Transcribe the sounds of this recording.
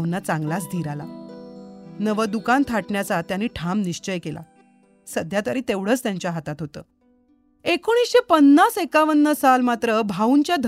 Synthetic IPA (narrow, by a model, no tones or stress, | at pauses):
wnːat͡sãŋɡlas̬d̪ʱiɾala | nəʋəd̪ukant̪ʰaʈɳjat͡sat̪janiːʈʰamniɕt͡ɕəjkelʔa̰ | səd̪ʱjat̪əɾiːt̪eʋɽ̤əːt͡st̪jaɲt͡ɕjaɦat̪at̪ɦot̪ə̰ː | ekoɽ̃iːsɕepənːasekaʋənːəsalmat̪ɾəbʱauɲt͡ɕjad̪ʱ